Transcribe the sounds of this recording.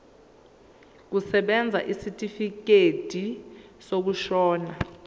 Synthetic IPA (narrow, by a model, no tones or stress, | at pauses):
k̬usɛɓɛnd͡zʱa̰ʔisitʼifik̬ed̥ʱisoɓuʃɔːna